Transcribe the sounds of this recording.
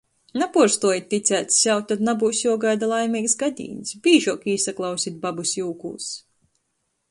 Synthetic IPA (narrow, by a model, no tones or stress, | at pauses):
napuɔɾst̪uɔjit̪̚ʲːit̪sʲæːt̪sjawt̪ːad̪nabuːsjuɔɡajd̪alˠajmʲiːksɡad̪ʲḭːnsbiːʒuɔkiːsaklˠawsʲit̪̚babusjuːkṵːs